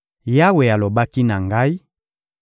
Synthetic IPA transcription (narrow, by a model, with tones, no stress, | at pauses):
ja˦we˨ja˨lo˨ba˦ki˦na˨ŋɡa˦i˦